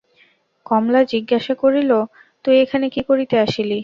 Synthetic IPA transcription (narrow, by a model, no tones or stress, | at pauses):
kɔmlad͡ʑiɡːaʃakoɾilo | t̪uiekʰanekikoɾit̪eaʃili